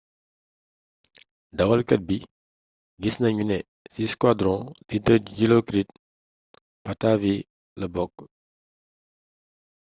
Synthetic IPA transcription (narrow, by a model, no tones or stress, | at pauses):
dɐwɐlkət̚bi | ɡisnɐɲunɛ | siskwadɾɔ̃didəɟilokɾit̚ | patavi | ləbɔk̚